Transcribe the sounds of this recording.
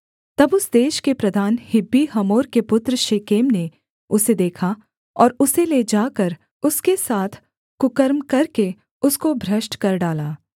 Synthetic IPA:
t̪ɐbʊsd̪eːʃkepɾɐd̪ʱaːnhɪbːiɦɐmoːɾkepʊt̪ɾəʃeːkeːmne | ʊsed̪eːkʰa | ɔːɾʊseled͡ʒaːkɐɾ | ʊskesaːt̪ʰ | kʊkəɾmkɐɾke | ʊskobʱɾɐʃʈkɐɾɖaːlaː

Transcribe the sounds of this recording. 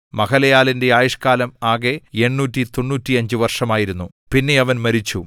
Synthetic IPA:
mɐɣɐlɐjaːlinde̞aːjiʂkaːlɐmaːɣe̞e̞ɳːuːtːit̪o̞nːuːtːiɐɲd͡ʑɨʋɐrʂɐmaːjiɾunːu | pinːe̞ɐʋɐnmɐɾit͡ɕːu

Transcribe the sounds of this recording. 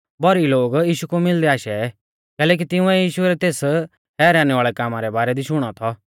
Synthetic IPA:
bɔɾiloːɡjiːʃukomɪld̪ɛaːʃɛ | kɛːlɛːk̬it̪ɪʊ̃ɛjiːʃuɛɾɛt̪eːs | ɦɛːɾaːñɛaːɭɛkaːmaɾɛbaːɾɛd̪iʃʊɽ̃ɔt̪ʰɔ

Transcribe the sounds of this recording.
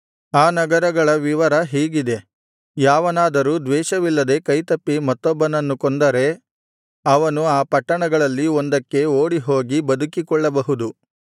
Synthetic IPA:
aːnɐɡɐɾɐɡɐɭɐʋiʋɐɾɐɦiːɡid̪e̞ | jaːʋɐnaːd̪ɐɾuːd̪ʋɛːʃɐʋilːɐd̪e̞kɐjt̪ɐpːimɐt̪ːɔbːɐnɐnːukɔnd̪ɐɾe̞ | ɐʋɐnuaːpɐʈːɐɳɐɡɐɭɐlːiond̪ɐkːe̞oːɽiɦo̞ːɡibɐd̪ukikɔɭːɐbɐɦud̪u

